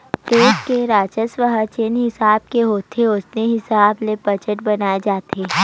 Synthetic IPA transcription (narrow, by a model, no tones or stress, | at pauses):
t̪eːd͡ʒkeɾaːt͡ʃəsʋəɦət͡ʃenɦɪsaːb̚keɦoːt̪ʰeoːsneɦɪsaːblebɐd͡ʒəʈbɐnaːed͡ʒaːt̪ʰeː